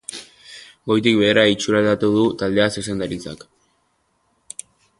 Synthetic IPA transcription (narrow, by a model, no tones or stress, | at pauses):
ɡo̞jt̪̬ikβe̞ːɾait͡ʃuɾald̪at̪uðut̪ald̪e̞asesend̪aɾit͡sa̰k